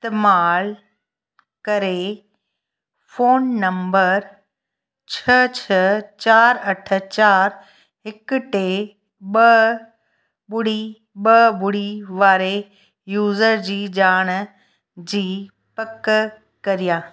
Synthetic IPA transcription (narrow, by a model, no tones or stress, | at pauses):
st̪ɪmaːl | kɐɾe | foːnːɐ̃mbəɾ | t͡ɕʰɐt͡ɕʰɐt͡ɕaːɾɐʈʰə̆t͡ɕaːɾ | ɦɪkʊʈe | ɓɐ | bʊɽi | ɓɐbʊɽiʋaːɾe | juːzəɾd͡ʑiːd͡ʑaːɽ̃ | d͡ʑiː | pɐk | kɐɾijaː